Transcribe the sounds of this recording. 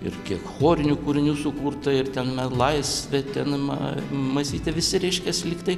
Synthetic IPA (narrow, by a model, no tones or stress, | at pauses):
ɪ̰rkʲiɛkxoːɾʲɪnʲukʊɾʲɪnʲuːsʊkuːrt̪ɐɪrt̪ʲɛnmʲɛlˠɐɪsʲʋʲɛt̪ʲɛnmɐmɐsʲiːt̪ʲɛʋʲɪsʲɪɾʲɛɪʃʲkʲɛsʲlʲɪkt̪ɐɪ